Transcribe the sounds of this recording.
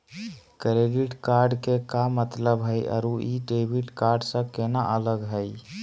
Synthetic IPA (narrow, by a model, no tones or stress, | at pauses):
kɾeɖiʈkaɾɖkekamət̪ləbɦəjʔə̰ɾuʔiɖebʱiʈkaɾɖsə̃kenaʔələɡɦəj